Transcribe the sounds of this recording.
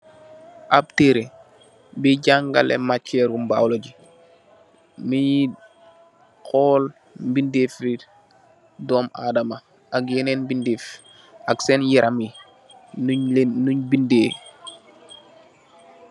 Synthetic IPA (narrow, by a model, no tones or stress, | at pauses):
ʔab̚teɾe | biɟaŋɡalɛ̰mat͡ʃːɛɾumba̰wloɟi | mii | kɔːl | mbindefɾit | dɔːma̰dama | ak̚jenɛnbindif | aksɛnjiɾʔami | nuɲbindeː